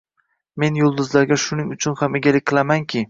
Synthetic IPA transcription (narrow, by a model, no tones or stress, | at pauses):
me̞njʊlˠd̪ʊzlaɾɡʲaʃʊnɪŋʊt͡ʃʰʊnhame̞ɡʲalɪkʲqʰɨlˠamaŋkʲʰɪ